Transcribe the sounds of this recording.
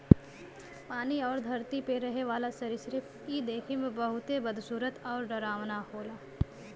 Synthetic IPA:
paːniɔːɾd̪ʱɐɾt̪ipeɾɐɦeʋaːlasɐɾɪsɾɪp | id̪eːkʰemẽbəɦʊt̪ebəd̪ʱsuːɾət̪ɔːɾɖɐɾaːʋnahoːlaː

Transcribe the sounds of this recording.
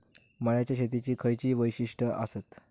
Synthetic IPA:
məɭjat͡ɕjaɕ̬et̪it͡ɕiːkʰəjt͡ɕiːʋəjɕiʂʈəʔə̰sət̪

